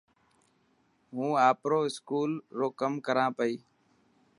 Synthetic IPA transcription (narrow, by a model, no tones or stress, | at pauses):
ɦũːaːpɾoːɪskuːlɾoːkəmkəɾãːpəiː